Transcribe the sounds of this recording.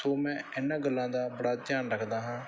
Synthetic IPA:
soːmɛ̃ːɪnãːɡəlːãːd̪aːbəɽaːd̪jaːnɾəkʰd̪aːɦãː

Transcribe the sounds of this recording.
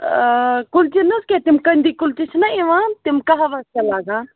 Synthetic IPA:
kʊlt͡ʃinɐsket̪imkɐnd̪ikʊlt͡ʃit͡ʃʰnɐeʋãt̪imkaɦaʋaːskalaːɡãː

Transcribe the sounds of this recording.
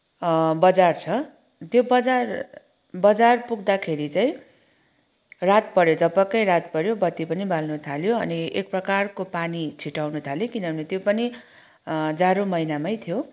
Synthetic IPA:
bʌd͡zart͡sʰʌ | t̪jobʌd͡zar | bʌd͡zarpuɡ̚d̪akʰeɾit͡saĩ | rat̪̚pʌɾjod͡zʌpʌkʌjrat̪̚pʌɾjobʌt̪ːipʌnibʱalnut̪ʰaljoʌ̰niek̚prʌkarkopanit͡sʰiʈawnut̪ʰaljokinʌbʱʌnit̪jopʌni | d͡zaɾomʌinamʌjt̪ʰijo

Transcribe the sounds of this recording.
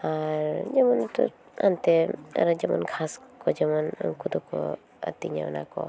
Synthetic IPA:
aɾd͡ʒamɔnt̪ɔ̰ | ant̪ɛa̰ɾad͡ʒamɔnkʰaskɔd͡ʒamɔnkʰud̪ukɔ | a̰t̪iɲa̰na̰kɔ̰

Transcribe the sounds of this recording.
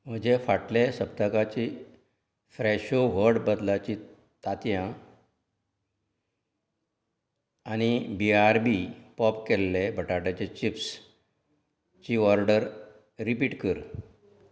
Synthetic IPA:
m̤əd͡ʑefaʈlesəbt̪əkat͡ɕi | fɾɛɕoʋəɾɽbəd̪lat͡ɕi | t̪at̪jã | añibiaɾbipɔpkɛlːebʱəʈaʈat͡ɕet͡ɕips | t͡ɕiɔɾɖəɾ | ɾipiːʈkəɾ

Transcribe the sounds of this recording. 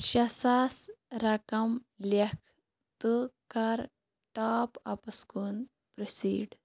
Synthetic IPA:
ɕɐsasɾɐkɐm | lekʰ | t̪ɨkɐɾ | ʈaːpɐpɐskun | pɾisiːɖ

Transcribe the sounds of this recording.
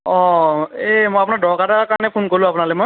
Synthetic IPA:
ɔ̃emojap̬unadɔkatakaɹnɛpʰonkɔɹlũapʊnalɔmɔj

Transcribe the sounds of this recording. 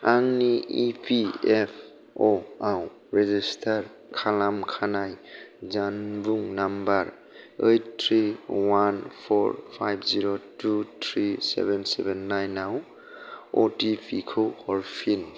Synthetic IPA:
aŋniipʰiepʰ | ɔaw | ɾezistʰaɾ | kʰalamkʰanajzanbuŋnambaɾ | ejttʰɾiwanpʰɔɾpʰajbʰziɾotutʰɾisḛbɛnsḛbenːajnaw | o̰tipʰikʰowhɔɾpʰin

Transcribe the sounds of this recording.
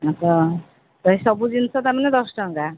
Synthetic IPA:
ʌt̪ʌ | d̪ʌjsʌbud͡zint͡sʰʌt̪amaned̪ʌsʈʌŋɡa

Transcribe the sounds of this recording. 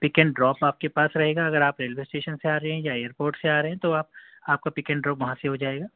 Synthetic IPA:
pɪkɛ̃ɳɖɾɔːpaːp̚kepaːsɾɐɦeːɡaɐɡəɾaːpɾeːlʋeːsʈeːʃənseaːɾɐɦeɦɛ̃jaeːəɾpoːɾʈseaːɾɐɦɛ̃t̪oaːp̚ | aːp̚kapɪkɛ̃ɳɖɾɔːpʋɐɦãseɦod͡ʒaːeːɡaː

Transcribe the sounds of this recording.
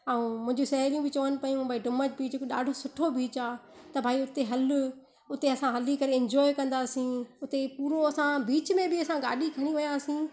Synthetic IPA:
aũmʊ̃ɦɪ̃ɲd͡ʑusɐɦɛɾijũbɪt͡ɕɐʋənɪ̆pɐjũbʱaːiɖʊməd͡ʑbiekoɗa̰ːɖʱosʊʈʰobiːt͡ɕaː | t̪ɐbʱaːiʊt̪eɦɐlʊ | ʊt̪eɐsãɦɐlikɐɾeɪ̃ɲd͡ʑɔːɪkɐ̃nd̪aːsĩʊt̪epuːɾoɐsãbiːt͡ɕmẽbɪɐsãɡa̰ːɗikʰɐɽ̃iʋɐjaːsĩː

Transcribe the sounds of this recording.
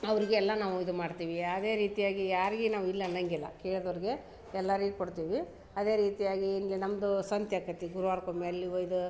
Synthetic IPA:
ɐʋɐɾiɡeɛlːɐnaːʋuid̪umaːɖt̪iːʋiɐd̪e̞ːɾiːt̪ijaːɡijaːɾiɡinaːʋuilːɐnɐŋɡɛlːɐ̰keːɭd̪ɐʋɾiɡe̞ | ɛlːɐɾiɡukoɽt̪iːʋi | ɐd̪e̞ːɾiːt̪ijaːɡiːnlinɐmɐd̪usɐnt̪jɐkɐt̪iɡuɾuʋaːɾkombiɐlːiʋoid̪u

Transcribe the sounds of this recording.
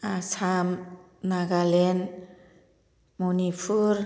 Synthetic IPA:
asʰam | naɡalen | munipʰuɾ

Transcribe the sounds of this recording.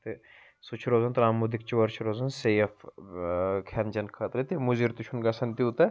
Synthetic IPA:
t̪e | sut͡ʃʰɾoːzɐnt̪ɾaːmud̪ik̚t͡ʃʋɐɾt͡ʃʰɾoːzɐnseɐf | kʰɛnd͡ʒɐnkʰɐt̪ɾit̪emuziɾt̪ut͡ʃʰunɡɐsɐnt̪iut̪ɐ

